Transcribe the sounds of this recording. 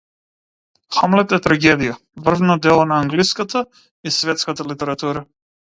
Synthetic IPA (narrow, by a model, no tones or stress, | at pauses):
xamlɛt̪ɛt̪ɾaɡɛd̪ija | vr̩vnɔd̪ɛlˠɔnaːŋɡliskat̪a | isvɛt̪skat̪alit̪ɛɾat̪uɾa